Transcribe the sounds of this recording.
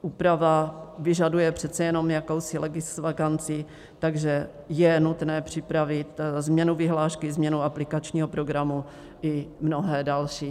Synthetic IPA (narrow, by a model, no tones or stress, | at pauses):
ʔuːpɾavavɪʒadujɛpr̝̥ɛt̪t͡sɛjɛno̞mjako̞wsɪlɛɡɪsvakant͡sɪ | t̪aɡʒɛ | jɛnut̪nɛːpr̝̥ɪpɾavɪt̪zmɲɛnuvɪɦlaːʃkɪzmɲɛnuaplɪkat͡ʃɲiːɦopɾo̞ɡɾamu | ʔɪmno̞ɦɛːdalʃiː